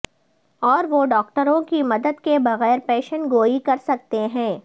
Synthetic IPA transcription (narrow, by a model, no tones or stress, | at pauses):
ɔːɾʋoɖɔːk̚ʈəɾõkimɐd̪əd̪kebɐɣɛːɾpɛːʃənɡoːikɐɾsɐk̚t̪eɦɛ̃ː